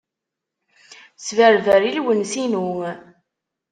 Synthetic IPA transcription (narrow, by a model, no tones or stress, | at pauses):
svæɾvæɾilwənsinuŋ